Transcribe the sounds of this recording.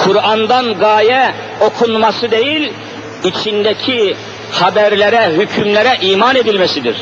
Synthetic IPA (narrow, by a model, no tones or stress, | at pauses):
kʰuɾand̪anɡaːjɛ | o̞kʰunmasɯd̪ejilʲ | it͡ʃʰind̪ɛcʰi | hɑbæɾlɛɾɛɦycʰymlɛɾɛʔiːmane̞d̪ilʲmɛsid̪iɾ̥